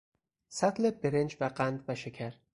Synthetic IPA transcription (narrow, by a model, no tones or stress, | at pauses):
sæt̪ʰlebeɾend͡ʒvæɢænd̪væʃecʰæɾ